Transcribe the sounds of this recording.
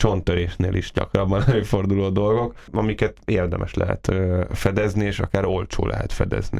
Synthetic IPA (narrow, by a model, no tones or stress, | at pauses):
t͡ʃo̞nt̪øɾeːʃnḛːlʔiʃɟɒ̰krɒbːɒnɛløːfo̞rd̪uloːd̪o̞lɡo̞kɒmikɛt̪eːrd̪ɛmʔɛʃlɛ̰ɦɛ̰t̪øfɛd̪ɛznieːʃɒkaːɾo̞lt͡ʃo̰ːlɛ̰ɦɛ̰t̪fɛd̪ɛ̰zni